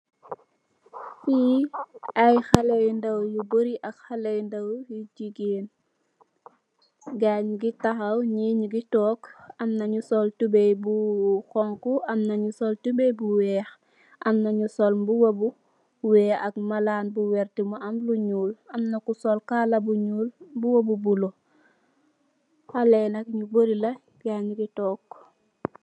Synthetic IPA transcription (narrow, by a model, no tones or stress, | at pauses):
fi | ɐjxɐlɛjndɐwjuboɾiʔɐkxɐlejndɐwjuɟiɡeːn | ɡaɲɡitɐxɐwɲiɲuɡitɔːkɐmnɐɲusɔltubɛjbuxɔŋkuɐmnɐɲusɔltubejbuwɛːx | ʔamnaɲusolmbuwobu | wɛːak̚malaːnbuweɾtimuamluɲuːlamnakusolkalabuɲuːlbuwobubulo | halenakɲuboɾila | ɡ̥aɲɡitoːk